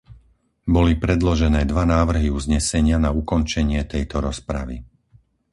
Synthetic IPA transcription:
bɔlipɾɛd̪lɔʒɛnɛːd̪ʋanaːʋr̩ɦiuzɲɛsɛɲɪanaukɔnt͡ʃɛɲɪɛt̪ɛjt̪ɔɾɔspɾa̰ʋḭ

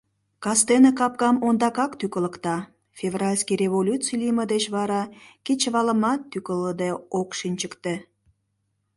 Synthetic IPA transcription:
kɑst̪enekɑp̚kɑmond̪ɑkɑkt̪ykələkt̪ɑ | fʲevrɑlʲskireβolʲut͡sijlʲiməd̪et͡ɕβɑɾɑkit͡ɕəβɑləmɑt̪ːykəlːəd̪eokʃinʲt͡ɕəkt̪e

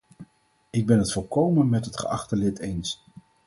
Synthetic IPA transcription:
ɪɡ̚bɛnɦətfʊlˠkowmənmɛtɦətχə̰ʔɑχtəlɪtejns

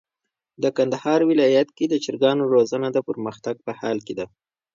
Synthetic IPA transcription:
d̪əkand̪ahɑɾwɪlɑjat̪̚ked̪ət͡ʃɪɾɡɑnoɾozənad̪əpəɾməxt̪aɡ̚pəhɑlked̪a

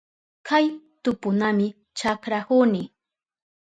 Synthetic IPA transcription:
kʰaj | t̪ʊpʊnamɪ | t͡ʃakɾahunɪ

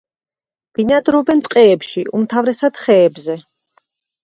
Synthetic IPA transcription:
b̥inad̪ɾɔbɛnt̪ʼqʼɛːpʃiumt̪ʰavɾɛsad̪̥χɛːbzɛ

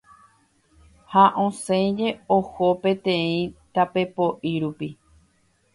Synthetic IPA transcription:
haʔõsẽd͡ʒe̞ohopẽ̞t̪ẽĩt̪ape̞poʔiɾupi

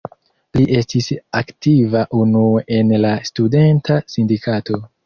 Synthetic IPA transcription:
liʔe̞stisaktivaʔunuʔe̞nlastude̞ntʰasindikʰato̞

